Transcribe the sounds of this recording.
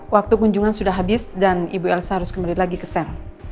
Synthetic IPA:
wak̚t̪ukuɲd͡ʒuŋansudahɦabɪsdanibuɛlsaɦaɾʊskəmbalilaɡikəsɛr

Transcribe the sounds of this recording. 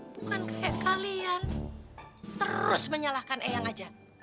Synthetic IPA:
b̥ukankahɛʔkalian | t̪əɾʊsməɲalahkanʔejaŋad͡ʒa

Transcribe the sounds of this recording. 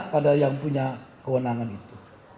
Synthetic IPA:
padajaŋpuɲakəwənaŋanit̪u

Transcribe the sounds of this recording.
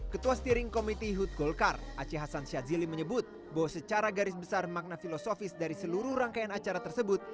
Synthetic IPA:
kət̪uast̪iɾɪŋkomit̪iɦut̪̚ɡolkarat͡ʃiɦasansiaziliməɲəbʊt̪̚ | bawasət͡ʃaɾaɡaɾɪsbəsarmak̚nafilosofɪsdaɾisəluɾʊhraŋkajanat͡ʃaɾat̪ərsəbʊt̪̚

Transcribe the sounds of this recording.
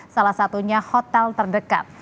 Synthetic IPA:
salahsat̪uɲahɔt̪ɛlt̪ərdəka̰t̪̚

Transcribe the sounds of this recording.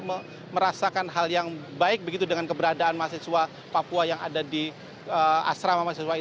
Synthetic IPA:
mə | məɾasakanɦaljaŋbaɪk̚bəɡit̪udəŋankəbəɾadaːnmaseswa | papuajaŋa̰dadi | əa̰sɾamamasesuwai

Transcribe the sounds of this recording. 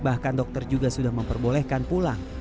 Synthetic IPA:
bahkandɔk̚t̪ərd͡ʒuɡasudahməmpərbolɛhkanpulaŋ

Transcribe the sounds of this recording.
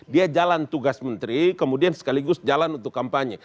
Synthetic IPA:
diad͡ʒalant̪uɡasmənt̪ɾikəmudiansə̥kaliɡʊsd͡ʒalanunt̪ʊkːampaɲɛ

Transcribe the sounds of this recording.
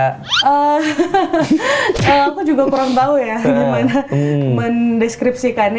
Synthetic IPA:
ʔə | əakud͡ʒuɡakuɾaŋt̪aujaɡimanaməndɛskɾip̚sikan

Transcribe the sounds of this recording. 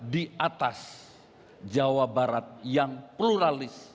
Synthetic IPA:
diat̪as | d͡ʒawabaɾat̪̚jaŋpluɾalɪs

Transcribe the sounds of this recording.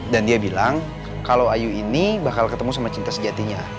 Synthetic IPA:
dandiabilaŋ | kalawajuinibakalkət̪əmusamat͡ʃint̪asəd͡ʒat̪iɲa

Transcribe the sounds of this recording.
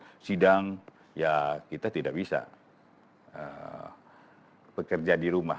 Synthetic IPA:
sidaŋ | jakit̪at̪idaʔ̚bisa̰ | ə̰ | bəkərd͡ʒadiɾuma̰

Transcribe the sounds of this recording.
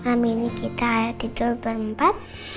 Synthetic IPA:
aminikit̪ad̪̥i̤tʊlbəɾəmpat̪̚

